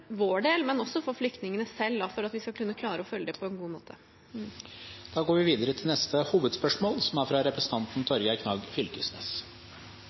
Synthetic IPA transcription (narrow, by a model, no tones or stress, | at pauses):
ʋoːɖeːlmɛnɔsːɔfɔɾflʏk̚t̪nɪŋənəsɛlːd̪ɑfɔɾɑt̪ʋɪskɑkʰʉnːəkʰlɑːɾəɔfœljəd̪ɛpʰɔɛnɡuːmo̰ːt̪ʰə | d̪̥ɑːɡoːɾʋɪʋiːd̪əɾət̪ʰɪlnɛst̪əhuːʋəd̪spœʂmoːlsɔmæɾfɾɑɾɛpɾəsn̩t̪ɑnt̪n̩t̪ʰɔɾɡəkʰnɑːɡfʏlkəsnes